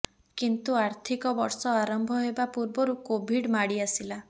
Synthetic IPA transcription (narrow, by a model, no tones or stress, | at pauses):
kint̪uaɾt̪ʰikɔbɔɾsɔaɾɔmbʱɔɦebapuɾbɔɾukobʱiɖmaɽiasila